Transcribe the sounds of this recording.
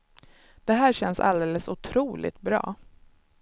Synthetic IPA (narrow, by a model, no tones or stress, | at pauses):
d̪̥ɛɦæːɕɛnːsa̰ld̪eːləsʊt̪ʰɾuːlɪ̰t̪̚bɾɑ̰ː